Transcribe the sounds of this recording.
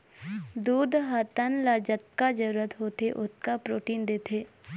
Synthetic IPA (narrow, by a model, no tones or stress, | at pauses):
d̪uːd̪ɦat̪ənlaːd͡ʒət̪̚kad͡ʒəɾuːɾət̪ɦoːt̪eʔʊt̪̚kapɾoːʈiːnd̪eːt̪ʰeː